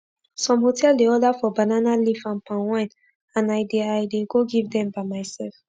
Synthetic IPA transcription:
sɔ̃mhotʰɛldeɔdafɔbananalifãnpãnwãɪ̃n | ãnaɪdeajdeɡoɡivdɛ̃mbaɪmaɪsɛlf

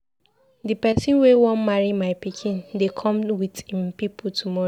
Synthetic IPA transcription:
dipɛsĩnwewɔ̃nmaɹimaɪpikʰĩndekʰɔ̃mwidhĩmpipʰutʰumɔɹo

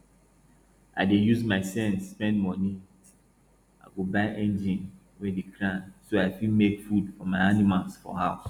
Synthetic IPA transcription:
a̰ɪdejuzmaɪsɛ̃nsːpɛ̃ndmɔni | aɪɡobaɪʔɛ̃nd͡ʒĩn | wedikʰɹãnsoaɪfimekfudfɔmaɪanimalsfɔ̰haʊs

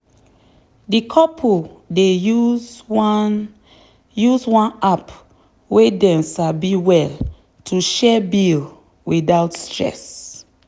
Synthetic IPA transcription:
dikʰɔpʰu | deu | juzwãnap | wedɛ̃msabiwɛl | tʰuʃɛbil | widawtstɹɛ̰s

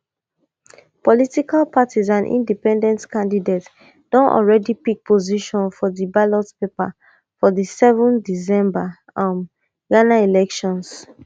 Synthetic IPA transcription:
pɔlitikalpatizãnʔḭ̃ndipɛ̃ndɛ̃ntkãndidet | d̥ɔ̃nʔɔ̰lɹɛdipik̚pʰoziʃɔ̃nfɔðibalɔtpepa̰ | fɔðisɛvɔ̃ndis̬ɛ̃mba | ãm | ɡanailɛkʃɔ̃ns

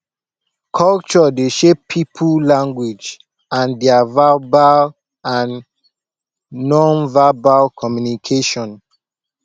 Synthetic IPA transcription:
kʰɔlt͡ʃɔdeʃepʰipʰulãŋɡwid͡ʒ | ãndɛavabal | ãn | ɔ̃nvabalkʰɔmjunikʰeʃɔ̃n

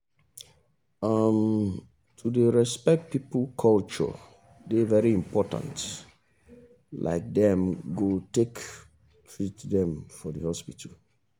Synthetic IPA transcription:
am | tʰudeɹɛspɛk̚t̚piplkʰɔlt͡ʃɔ̰ | devɛɹiĩmpʰɔtã̰nt | lʔa̰ɪk̚dɛ̃mɡotek | tʰɹitdɛ̃mfɔdəhɔspitʰəl

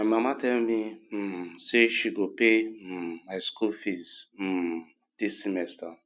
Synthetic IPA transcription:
mamatɛlmim̩seʃiɡopemaɪskufiz̩ | d̥issimɛsta

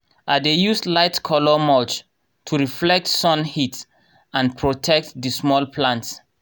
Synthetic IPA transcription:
ʔadejuslaɪtkʰɔlɔmɔt͡ʃ | tʰuɹiflɛk̚tsɔ̃nhit | ãnpʰɹotʰɛk̚tdismɔlpʰlãnts

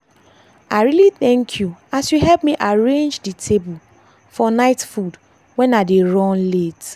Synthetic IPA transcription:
aɪɹiliθɛ̃ŋkʰjuasjuɦɛpmiʔaɹẽnd͡ʒditʰebu | fɔnaɪtfud | wɛ̃nadeɹɔ̃nlet

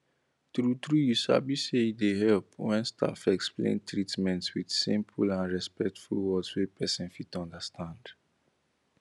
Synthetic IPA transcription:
tɾutɹujusa̰biseidehɛlpwɛ̃nstʰa̰fɛksplḛ̃ntʰɹitmɛ̃ntswid̥sĩmpʰulãnɹɛspɛk̚tfulwɔdswepʰɛsɛ̃nfitɔ̃ndəstʰãnd

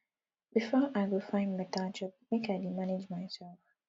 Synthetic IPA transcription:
b̥ifɔʔaɪwɪlfãɪ̃ndmɛtʰald͡ʒɔp̚mekaɪdimaned͡ʒmaɪsɛlf

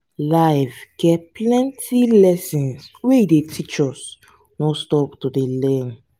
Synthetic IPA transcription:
laɪvɡ̥ɛtplɛ̃ntʰilɛsĩnsweidetʰit͡ʃɔs | nõstɔptodelɛ̃n

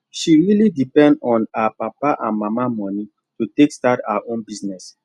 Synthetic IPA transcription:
ʃiɹilidipɛ̃ndɔ̃napapaʔã̰nmamamɔni | tutekstataaʔõnbiznɛs

